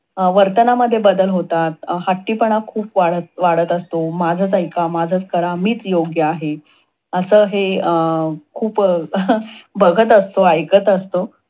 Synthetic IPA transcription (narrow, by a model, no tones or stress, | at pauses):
əʋəɾt̪ənaməd̪ʱːjebəd̪əlɦot̪at̪̚haʈːiːpəɳ̃akʰuːpʋaɽət̪̚ʋaɽət̪əst̪omad͡zʱəːt͡sajkamad͡zʱət͡skəɾamiːt͡sjoɡjəaɦe | əsəːɦe | kʰuːp | bəɡʱət̪̬əst̪oajkət̪əst̪o